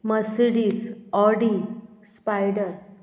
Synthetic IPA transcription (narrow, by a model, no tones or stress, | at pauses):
məsɽisɔɖispajɖəɾ